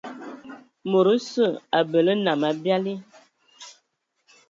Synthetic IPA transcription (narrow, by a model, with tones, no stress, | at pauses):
mo˨ɾə˦sə˦˨a˨bə˨lə˦na˨ma˨bja˦li˦